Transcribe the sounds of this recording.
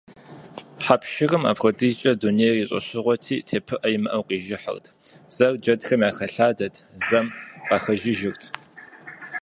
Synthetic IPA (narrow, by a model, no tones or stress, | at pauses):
pħapʃɪrɨma̰ːpxʷɐdiːt͡ʃʼɐdunejriɕʼɐ̰ɕɪʁʷɔtʰiːtʰeːpʰɨʔɐjɪmɨʔɐwqiːʒɪħə̰rtʰ | z̥ɐrd͡ʒɐdxɐmjaːxɐɬaːdɐtʰzɐmqɑxɐʒɪʒɪrtʰ